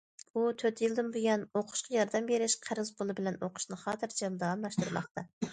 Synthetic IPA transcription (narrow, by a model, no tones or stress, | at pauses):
ut̪ʰøt̪ʰjilˠd̪ɪmbujɛnoqʰʊ̥ʃqʰɑjɑɾd̪ɛmbeɾɪʃqʰæɾɨzpolˠɨbɪlɛnoqʰʊ̥ʃnɨχɑːt̪ʰɨɾt͡ʃʰild̪ɑʁɑnlˠɑʃt̪uɾmɑ̰χt̪ɑ